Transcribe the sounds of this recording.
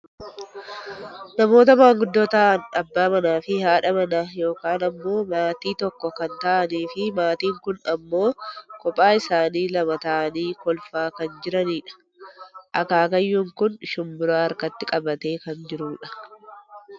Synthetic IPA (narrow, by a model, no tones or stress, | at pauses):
nɐmo̞ːt̪̬ɐmaːŋɡʊd̪ːoːt̪ɐʔɐnɐbːaːmɐnaːfɪhaːᶑɐmɐnajo̞ːkaːnɐmːo̞ːmaːt̪iːt̪ɔkːɔkɐnt̪ɐʔɐniːfɪmaːt̪iːŋkʊnɐmːo̞ːkɔpʼːaːɪsaːniːlɐmɐt̪ɐʔɐniːkɔlfaːkɐnd͡ʒɪɾɐniːᶑɐ̥ | ʔɐkaːkɐjːuːŋkʊnʃʊmbʊɾaːɐɾkɐt̪ːɪkʼɐbɐt̪e̞ːkɐnd͡ʒɪɾuːᶑɐ̥